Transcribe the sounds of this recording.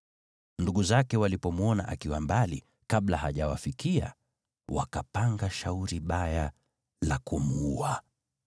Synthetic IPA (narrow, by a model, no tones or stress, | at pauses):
nduɠuzakɛwalipɔmwɔnaʔakiwambali | kaɓlahaʄawafikia̰ | wakapaŋɡaʃauɾiɓaja | lakumua